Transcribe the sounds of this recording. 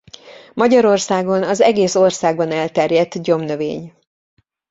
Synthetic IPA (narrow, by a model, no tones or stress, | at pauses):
mɒɟɒɾo̞rsaːɡo̞nɒzɛɡeːso̞rsaːɡbɒnɛlt̪ɛrjɛt̪ːɟo̞mnøvḛːɲ